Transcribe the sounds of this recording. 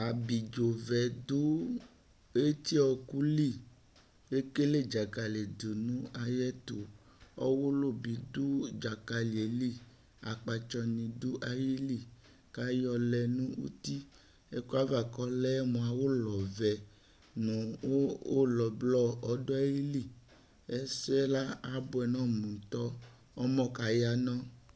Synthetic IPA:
a˨bi˨d͡ʒo˨vɛ˨du˦ | e˦t̪i˦ɔ˨ku˦li˦˨ | e˦ke˦le˦˨d͡ʒa˨ka˨le˨do˨nũ˦a˨jɛ˦t̪o˨ | ɔ˦wo˦lo˦˨bi˨d̪u˦d͡ʒa˨ka˨li˨e˨li˦ | a˨k͡pa˨t͡ʃɔ˧nĩ˨du˦ʔa˨ji˦li˦˨ | ka˦jɔ˨lɛ˨nũ˦wṵ˦t̪i˦ | e˦ku˦a˦va˨kɔ˦lɛ˦mũ˨a˨wo˦lɔ˨vɛ˨ | mũ˨o˦o˦lɔ˨blɔ˦ɔ˨˦dɔ˦ɛ˦ji˦li˦˨ | ɛ˦sɛ˦la˦a˦bo˦ɛ˨nɔ̃˦mũ˨t̪ɔ˦ | ɔ˦mɔ̃˦ka˨ja˦nɔ̃˦

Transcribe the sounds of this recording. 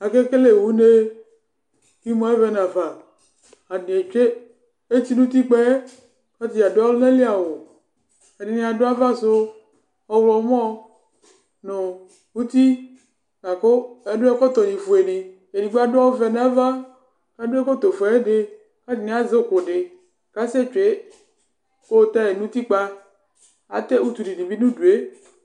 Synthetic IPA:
a˨ke˦ke˦le˨wu˦ne˦ | ki˦mɔ̃˦e˦vɛ˦na˨va˨ | a˨di˨e˨t͡ʃe˦ | e˦ti˦nũ˦t̪i˦k͡pe˦ | ka˦t̪i˨a˨do˦a˦lne˦li˦a˨wo˨ | e˨di˨nĩ˦˨a˨do˦a˦va˦so˦ | ɔ˦wlɔ˨˦m˦ɔ̃˦ | no˨ | wu˦t̪i˦ | ŋa˨ko˦ɛ˦ɖo˦ɛ˦kɔ˦t̪ɔ˨nĩ˨fo˨e˨ni˨ | e˨ni˨ɡ͡ba˦do˦a˦wo˦vɛ˨n˦a˦va˦ | ka˦do˦e˦ko˦t̪o˨fo˨ɛ˦ɖe˨ | ka˦di˨nĩ˦a˦ze˦o˦˨ko˨ɖe˨ | ka˦se˦t͡ʃo˨e˦ | ko˦t̪a˦je˨nũ˦t̪i˦k͡pa˦ | a̰˨t̪e˦u˦t̪u˨ɖi˨ɖi˨vi˦nũ˦du˨e˦

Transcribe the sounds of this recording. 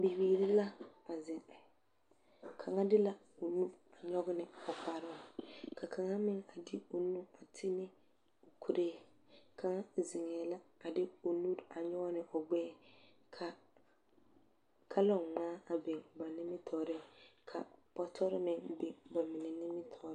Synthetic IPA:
bi˨wiː˨ɾɪ˦la˦a˨zɪ˨ŋ | kʰa˨ŋa˦dɪ˦la˦ | o˨nu˦a˨ɲɔ˦ɡɪ˦nɪ˨ɔ˨k͡pa˨ɾɪ˦˨kʰa˨kʰa˨ŋa˦mɪ˦ŋa˨dɪ˦o˨nu˦a˨tʰɪ˦nɪ˦ | o˨kʰu˨ɾʔeː˦ | kʰa˨ŋa˦zɪ˨ŋɛː˨la˦a˨dɪ˦o˨nu˦ɾa˨ɲɔ˦ɡnɪ˨ʔɔ˨ɡ͡bɛː˦ | kʰa˨ | kʰa˦lɔ˦˨ŋaː˦a˨be˨ŋba˨nɪ˦mɪ˦tʰɔː˨ɾɪ˦kʰa̰˨pɔ˦tʰɔ˦ɾɪ˦mɪ˦ŋbe˨ba˨mɪ˨nɛ˨nɪ˦mɪ˦tʰɔ˨ɾ

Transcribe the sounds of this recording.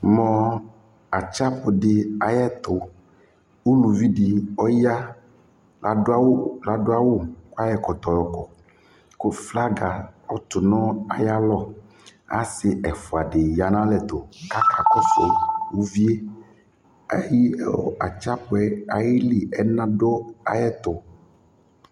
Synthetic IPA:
mɔ̃˦ | a˨t͡ʃa˦pʊ˨ɖɪ˨a˨jɛ˦t̪o˨ | wu˦lu˨vi˦ɖi˨ɔ˦ja˦ | la˨do˦a˦wo˦la˨do˦a˦wo˦ko˦a˦jɛ˨kɔ˨t̪ɔ˨jɔ˨kɔ˨ | ko˦fla˦ɡa˨ɔ˦t̪ʊ˨nɔ̃˦a̰˨ja˦lɔ˦ | a̰˦sɪ˨ɛ˨fu˨a˨ɖe˨ja˨nã˦lɛ˨t̪o˨ka˦ka˨kɔ˦so˨wu˦vi˦e˦ | e˦ji˦ɛ̰˦wɔ̰˨a˨t͡ʃa˦pʊ˨˦ɛ˦a˨ji˦li˨ɛ˦nã˦ɖo˦a˨jɛ˦t̪o˨

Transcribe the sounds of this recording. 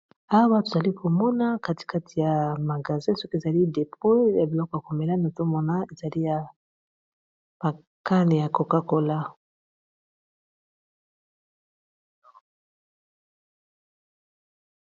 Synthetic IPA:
a˦wa˦to˨za˨li˦kʰo˨mɔ˦na˦ka˦ti̥˨ka˦tʰi˨ja˨ma˨ɡa˨zɛ̃˦sɔ˦ke˨za˨li˦de˨pɔ˦ja˨bi˨lɔ˦kɔ˨ja˨ko˨me˨la˦no˨to˦mɔ˦na˦e˨za˨li˦ja˨ | b̥a˨ | ka˦ne˨ja˨ko˨ka˦ko˨la˦

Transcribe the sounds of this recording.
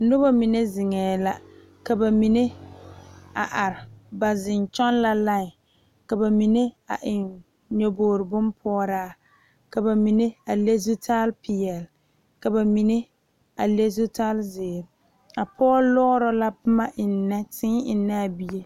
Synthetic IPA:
nʊ˦ba˦mi˨ne˦zɪ˨ŋɛː˨la˨ | ka˨ba˨mi˨ne˦ | a˨ʔa˨ɾɪ˨ba˨zɪ˨nt͡ʃɔ˦n˦la˦la˦ŋ˨ | ka˨ba˨mi˨ne˦a̰˨ʔɪ˨n | ɲo˨boː˨ɾɪ˨bʊ˦npʰɔ˦ɾaː˦ | ka˨ba˨mi˨ne˦a˨le˦zu˦tʰa˦lpʰɪ˨ɛ˨l | ka˨ba˨mi˨ne˦ | a˨le˦zu˦tʰa˦lzɪː˨ɾ | a˨pʰɔ˦lɔ˦ɾɔ˦la˦pʊ˦ma˦ʔɪ˨nːɛ˦tɪ˦ɪ˨nːa˦a˨bi˨je˦

